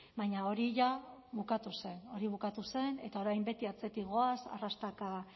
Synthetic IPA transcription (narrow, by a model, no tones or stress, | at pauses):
baɲao̞ɾiʝaβukat̪use̞no̞ɾiβ̞ukat̪use̞ne̞t̪ao̞ɾajmbe̞t̪iat͡se̞t̪iɣo̞asa̰rast̪aka